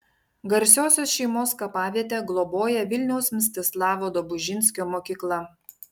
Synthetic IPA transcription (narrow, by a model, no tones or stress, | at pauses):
ɡɐɾʲsʲoːsʲoːsʃʲɛɪmoːskɐpɑːʋʲiɛt̪ʲɛɡlˠɔboːjɛʋʲɪlʲnʲɛʊsmʲs̬ʲt̪ʲɪslˠɑːʋoːd̪obʊʒʲɪnʲsʲkʲoːmoːkʲiːklˠɐ